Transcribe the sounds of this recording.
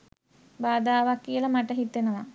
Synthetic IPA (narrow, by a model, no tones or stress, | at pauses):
baːd̪aːʋakːijɐlɐmaʈɐɦit̪ːenɐʋa